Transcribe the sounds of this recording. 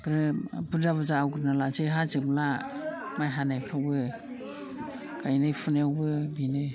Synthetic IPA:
ɡɾɯbɯzabɯzaːwɡɾɯnalazɯjɦazɯbla | majɦanajpʰabɯ | kʰajnajpʰunawbɯbinɯ

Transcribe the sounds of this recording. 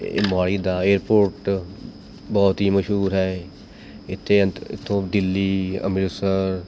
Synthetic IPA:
ɪ̰mbaːɽiːd̪aːeːɾpoːɾʈ | bɔːt̪ɦiːməʃɦuːɾɦɛː | ɪt̪ʰːeːɪ̰t̪ʰːõːd̪ɪlːiːə̰mɾuːsəɾ

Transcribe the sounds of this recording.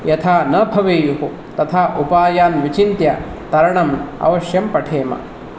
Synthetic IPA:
jɐt̪ʰaːnɐbʱɐʋeːjuɦu | t̪ɐt̪ʰaːʔupaːjaːnʋit͡ʃint̪jɐt̪ɐɾɐɳɐmɐ̰ʋɐʃjɐmpɐʈʰeːmɐ̰

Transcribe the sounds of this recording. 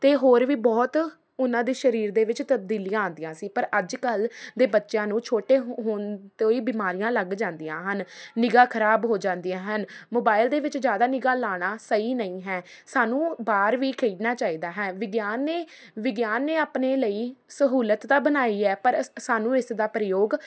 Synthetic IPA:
t̪eːɦoːɾʋiːbɔːt̪ | ʊnãːd̪iːʃəɾiːɾd̪eːʋɪt͡ʃt̪əb̚d̪iːlijãːõːnd̪ɪjãːsiːpəɾəd͡ʒkəld̪eːbətːʃjãːnũːt͡ʃʰoːʈeːɦɦoːnt̪oːiːbiːmaːɾijãːləɡd͡ʒãːnd̪ijã̰ːɦənːɪɡãːkʰəɾaːbɦoːd͡ʒãːnd̪ijãːɦənmoːbaːɪld̪eːʋɪt͡ʃd͡ʒjaːd̪aːnɪɡaːlaːɽ̃aːsəiːnəĩːɦɛːsaːnũːbaːɾʋiːkʰəiːɖnaːt͡ʃaːiːd̪aːɦɛːʋɪɡjaːnːeː | ʋɪɡjaːnːeːaːpneːləiːsəɦuːlət̪d̪aːbənaːiːɛːpəɾsaːnũːɪsd̪aːpɾɪjoːɡ

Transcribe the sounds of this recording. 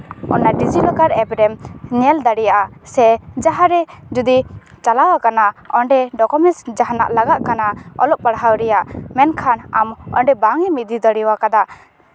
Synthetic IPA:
ɔ̰naɖid͡ʒilɔkaɾɛbɾɛmɲɛld̪aɽijaʔasɛd͡ʒaɦaɾɛd͡ʒud̪i | t͡ʃalawakanaɔɳɖɛɖɔkɔmɛsd͡ʒaɦana̰ʔlaɡaʔkanaɔ̰lɔʔ̚paɽɦawɾɛjaʔmɛnkʰanamɔ̰ɳɖɛbaŋɛmid̪id̪ɔɽiwakad̪a

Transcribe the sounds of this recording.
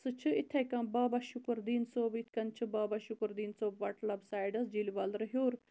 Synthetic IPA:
sɨt͡ʃʰɨit̪ʰɐkɐ̃ːbaːbaʃukɨɾd̪iːnsoːbit̪ʰkɐnt͡ʃʰɨbaːbaʃukɾd̪iːnsoːbʋɐʈlɐbsaːjɖɐsd͡ʒiliʋalɾɨɦjoːɾ

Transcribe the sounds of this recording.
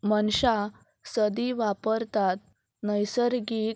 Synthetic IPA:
mənɕa | səd̪iʋapəɾt̪at̪̚ | nəjsəɾɡi

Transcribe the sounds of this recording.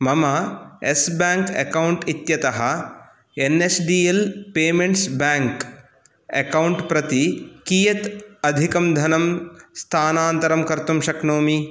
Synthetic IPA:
mɐmɐesbaːŋkɐ̰kɐwuɳʈit̪jɐt̪ɐɦɐ | enesɖiːelpeːmeɳʈsbaːŋk | ɐ̰kɐwɳʈpɾɐt̪ikiːjɐt̪ɐd̪ʱikɐmd̪ʱɐnɐmst̪ʰaːnaːnt̪ɐɾɐmkɐɾt̪umʃɐknoːmi

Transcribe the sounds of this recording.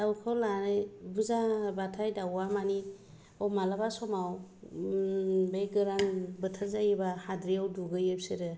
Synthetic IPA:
dawkʰawlanɯjbuzabatʰajdawamani | ɔmalabasɔmaw | beɡɯɾanbɯtʰazajbahadɾijawduɡɯjep̚sɯɾɯ

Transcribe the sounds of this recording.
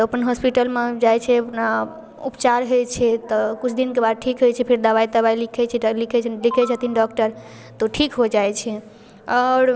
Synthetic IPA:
t̪ɔəpənɦɔspiʈəlmed͡ʒajt͡ʃʰɛəpna | upt͡ʃaɾɦojt͡ʃʰɛt̪ɔkut͡ʃʰd̪inkebad̪̚ʈʰikɦojt͡ʃʰɛpʰiɾd̪əbait̪əβajlikʰɛt͡ʃʰɛlikʰɛt͡ʃʰlikʰɛt͡ʃʰət̪inɖɔkʈəɾ | t̪ɔʈʰikɦod͡ʒajt͡ʃʰɛ | ɔɾ

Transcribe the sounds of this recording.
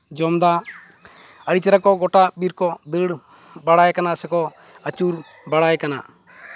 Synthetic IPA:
d͡ʒɔmd̪a | əɽit͡ʃɛɾakɔɡɔʈabiɾkɔd̪əɽbaɽajkanasɛkɔ | ət͡ʃuɾ | baɽajkana̰

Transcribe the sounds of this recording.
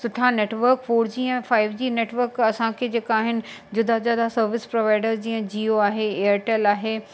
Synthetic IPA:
sʊʈʰaneːʈʋəɾkfoːɾd͡ʑiːə̃faːɪʋd͡ʑiːneːʈʋəɾkɐsãkʰed͡ʑeːkaːɦɪnɪ̆d͡ʑʊd̪ʱazjaːd̪asɐɾʋɪspɾoʋaːɪɖəɾd͡ʑiːə̃d͡ʑiːoaːɦeeːəɾʈeːlaːɦeː

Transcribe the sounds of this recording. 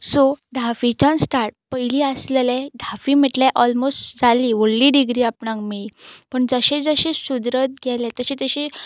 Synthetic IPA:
sod̪ʱafit͡ɕãnsʈaɾʈ̚pəjlĩəslelẽd̪ʱafiməʈleʔɔlmosʈd͡zaliʋoɽliɖiɡɾiːapɳãŋkmipəɳd͡zəɕẽd͡zəɕesud̪ɾət̪̚ɡʱɛlẽt̪əɕet̪əɕe

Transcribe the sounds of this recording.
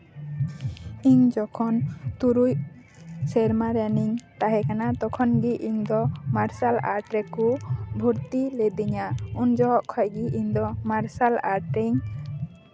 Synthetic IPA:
iɲd͡ʒɔkʰɔnt̪uɾuj | sɛɾmaɾaniɲt̪aɦɛkanat̪ɔkʰɔnɡiʔiɲd̪ɔmaɾsala̰ɾʈɾɛkubʱuɾt̪ilɛd̪iɲaund͡ʒɔɦɔʔkʰɔjɡiʔiɲd̪ɔmaɾsalaɾʈɾiɲ

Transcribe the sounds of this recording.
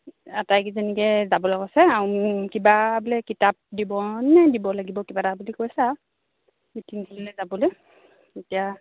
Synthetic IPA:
atajkizenikɛzabɔlɛkɔsɛaukibabulɛkitap̚dibɔnnɛdibɔlaɡibɔkibatabulikojsa | itʰiŋkullɛzabɔlej | etija

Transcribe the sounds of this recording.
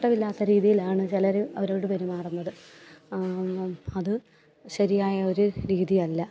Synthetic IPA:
ʈːɐmilːaːt̪ːɐɾiːðijilaːɳɨt͡ɕilɐɾuɐʋɐɾoːɽɨpɐɾumaːrunːɐðɨ | ɐðɨ | ɕɐɾijaːjɐo̞ɾuɾiːðiɐlːɐ

